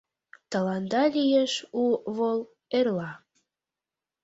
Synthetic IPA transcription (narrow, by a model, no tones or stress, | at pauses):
t̪əlɑnd̪ɑlʲijeʃuβol | erlɑ